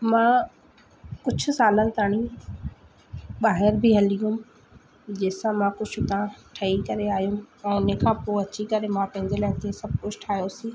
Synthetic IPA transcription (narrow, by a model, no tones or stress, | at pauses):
mãː | kʊd͡ʑʰʱʊ̆saːlənɪ̆t̪aːɽ̃ĩ | ɓaːɦɪɾbʱiɦɐlijʊ̃m | d͡ʑeːsãmãkʊd͡ʑʰʱʊt̪ãʈʰɐikɐɾeaːijumɛ̃ʊnẽkʰãːpoːɐt͡ɕikɐɾemãpɐ̃ɦɪ̃ɲd͡ʑelaːɪt̪ʰesɐb̚ʱkʊd͡ʑʱʈʰaːɦijosĩː